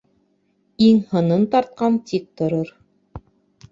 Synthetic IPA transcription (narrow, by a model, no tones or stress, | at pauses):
iŋhɤ̆nɤnt̪ɑɾt̪̚qɑnt̪ik̚t̪ŏɾoɾ